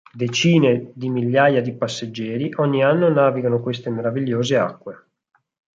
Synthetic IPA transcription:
d̪et͡ʃiːned̪imiʎːaːjad̪ipasːed͡ʒːɛːɾiʔɔɲːianːonaːviɡanokwest̪emeɾaviʎːoːzea̰kːwe

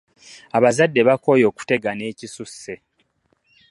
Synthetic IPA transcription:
aβazadːe̞βako̞jo̞ːku̥te̞ɡane̞ːcisusːe

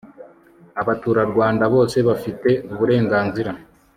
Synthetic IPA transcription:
aβatuːɾaɾɡwaːndaβo̞ːse̞βafite̞uβuɾe̞ːŋɡaːnziɾa

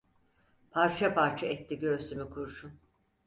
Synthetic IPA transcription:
pʰaɾt͡ʃʰapaɾt͡ʃʰaɛt̪ːiɟø̞ɾst̪ʰymykʰuɾʃun

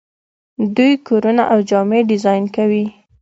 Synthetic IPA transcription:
d̪ujkoɾunaʔawd͡ʒɑmeɖɪzɑjnkawi

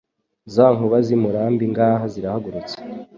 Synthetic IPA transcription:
zaːŋuβazimuɾaːmbiŋɡaːɦaziɾahaɡuɾut͡se̥

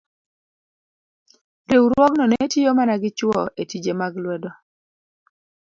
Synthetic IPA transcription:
ɾewɾwɔknonetijomanaɡɪt͡ʃwɔʔetid͡ʒemaɡlwɛdɔ

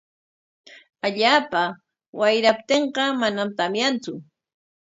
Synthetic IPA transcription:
aʎaːpa | wajɾap̚t̪eɴqɑmanamt̪amjant͡sʊ

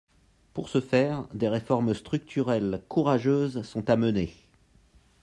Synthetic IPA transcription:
puʁsəfɛːʁd̪eʁefɔʁmst̪χyk̚t̪ʰyʁɛlkʰuʁaʒøːzsɔ̃t̪aməne

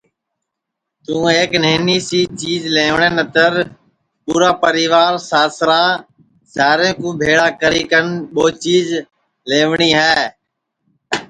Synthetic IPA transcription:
t̪ũːeːkneːniːsiːt͡ʃiːzleːʋɳẽːnət̪əɾ | puːɾaːpəɾiːʋaːɾsaːsɾaː | zaːɾẽːkũːbʱeːɽaːkəɾiːkənɓoːt͡ʃiːz | leːʋɳiːɦɛː

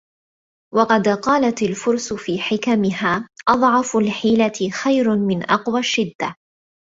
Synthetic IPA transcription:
wɑqɑd̪qɑːlat̪alfʊɾsʊfiːħɪkamɪɦaːʔɑd̪ˤʕɑfʊlħiːlaxajɾmɪnʔɑqwaʃːɪd̪ːa

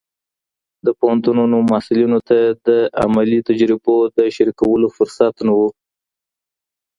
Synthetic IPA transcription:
d̪əpohant̪ununomɑsɪlunot̪ad̪əa̰malit̪ad͡ʒɾɪbod̪əʃaɾikawəlofʊɾsat̪nawu

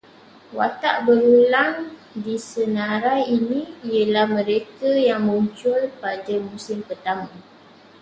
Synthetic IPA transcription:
wa̰t̪aʔbəɾulaŋdisənaɾajinĩiəlahmə̃ɾekajaŋməuɲt͡ʃʊlpadəmũsɪmpərt̪amə̃

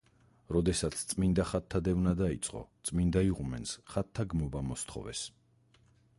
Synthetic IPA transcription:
ɾɔd̪ɛsat̪sʰt̪sʼmind̪aχat̪ʰːad̪ɛvnad̪ait̪sʼqʼɔ̰t̪sʼmind̪aiʁumɛnsχat̪ʰːaɡmɔbamɔst̪ʰχɔ̰vɛ̰s

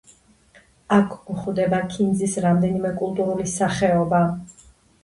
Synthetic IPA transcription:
akʰuχvd̪ɛbakʰind̪zisɾamd̪ɛnimɛkʼulˠt̪ʼuɾulisaχɛɔba

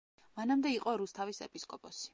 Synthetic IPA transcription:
manamd̪ɛiqʼɔɾust̪ʰavisɛ̰pʼiskʼɔpʼɔsi̥

